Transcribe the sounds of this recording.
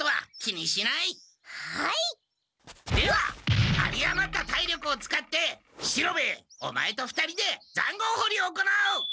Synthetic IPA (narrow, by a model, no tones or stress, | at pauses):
t̪oβa̰kʲiɲ̟iɕinai | hai | d̪e̞βa̰a̰ɾʲiamat̪ːat̪aiɾʲo̞kɯ̟ot͡sɨ̥kat̪ːe̞ | ɕiɾo̞be̞o̞̰ma̰e̞t̪o̞ɸɯ̟̥t̪aɾʲid̪e̞d͡zã̰ŋɡo̞ːho̞ɾʲio̞ːko̞nao